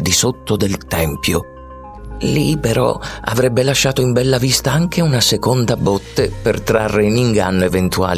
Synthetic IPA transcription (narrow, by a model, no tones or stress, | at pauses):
d̪isot̪ːod̪elt̪ɛmpjo | lipeɾɔ̰a̰vɾɛbːelaʃːaːt̪oimbɛlːavist̪aaŋk̟eunasekond̪abɔt̪ːepert̪ɾarːeiniŋɡa̰nːoevent̪ua̰ːl